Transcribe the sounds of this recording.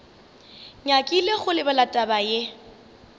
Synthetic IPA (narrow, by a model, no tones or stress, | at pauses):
ɲakʼileɣʊlɪbalatʼabaje